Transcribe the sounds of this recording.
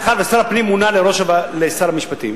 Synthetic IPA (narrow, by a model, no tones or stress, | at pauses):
eχad̪vesaɾapnimunaleɾo̞ʃavalesaɾamiʃpat̪ḭm